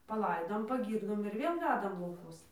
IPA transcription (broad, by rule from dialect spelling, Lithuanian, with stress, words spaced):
pɐˈlˠɐɪdoːm pɐˈɡʲiːrdoːm ɪr ˈʋʲeːlˠ ˈʋʲæːdɐm lˠɐʊˈkuɔs